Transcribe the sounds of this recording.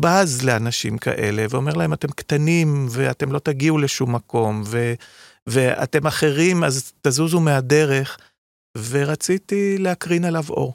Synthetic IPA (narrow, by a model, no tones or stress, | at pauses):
bazle̞anaʃḭmka̰ʔe̞̰le̞veo̞me̞ʁlahe̞mate̞mkt̪animveat̪e̞mlo̞t̪aɡiule̞ʃumːako̞mve̞ | vea̰t̪e̞maχe̞ʁimazt̪azuzumeade̞ʁe̞χ | ve̞ʁat͡sit̪ileakʁinalavo̞̰ʁ